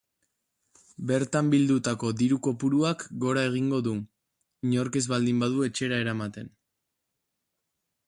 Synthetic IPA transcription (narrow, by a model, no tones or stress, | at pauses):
be̞ɾt̪ambild̪ut̪ako̞ðiɾuko̞puɾuakɡo̞ɾae̞ɣ̞iŋɡo̞ðu | ɲo̞ɾke̞zβald̪imbaðue̞t͡ʃe̞ɾaeɾamat̪e̞n